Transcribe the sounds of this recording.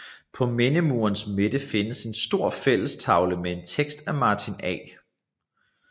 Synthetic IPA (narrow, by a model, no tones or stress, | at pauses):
pʰɒ̽me̝nəmuːɐnsme̝d̥əfe̝nəse̝nsd̥o̝ɐ̰fel̰əst͡sʰɑ̈ʊləmee̝nt͡sʰeɡ̥sd̥æmɑ̈ːt͡sʰinɛ̰